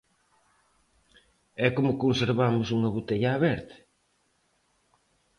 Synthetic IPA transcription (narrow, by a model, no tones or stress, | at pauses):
ɛkomʊkonseɾβamʊsuŋɐβut̪eʎaːβɛɾt̪ɪ̥